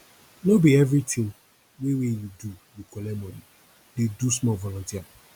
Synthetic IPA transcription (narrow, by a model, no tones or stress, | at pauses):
nobiɛvɾitʰĩŋ | wewejudujukɔlɛmɔni | dedusmɔvɔlɔ̃ntia